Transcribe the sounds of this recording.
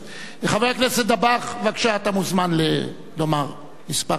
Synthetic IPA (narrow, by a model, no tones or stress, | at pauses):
leχaveakneset̚d̪abaχvakʃaat̪amuzmanle | lomaʁ | mispa